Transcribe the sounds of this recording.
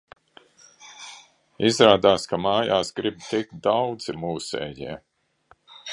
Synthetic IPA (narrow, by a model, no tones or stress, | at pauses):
izɾaːd̪aːskamaːjaːsɡɾibt̪ik̚t̪̚d̪awd̪zimuːsḛːjiɛ